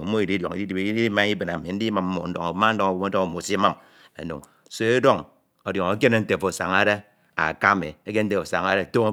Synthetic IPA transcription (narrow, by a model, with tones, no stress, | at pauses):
o˦i˨di˦djo̰˨ŋi˨˦i˦di˨bi˦i˦i˦ma˦ŋ˦i˦be˨n˨a˨mi˨n̩˦di˦ma˨m̩˦mo̰˨n̩˦do̰˦ŋo˨˦ma˦n̩˦do˦ŋo˨wo˦mo˦do˦ŋo˨mo˨si˦ma˦m | ḛ˨no̰˨ŋ | so˨e˦do˦ŋ | o˨djo˨ŋo˦ke˦ne˦n̩˦te˨fo˨sa̰˨ŋa˦de˦ | a̰˨ka˦mḛ˨e˦ke˦n̩˦te˨o˨sa̰˨ŋa˦ɾe˦˨to˦ŋ˦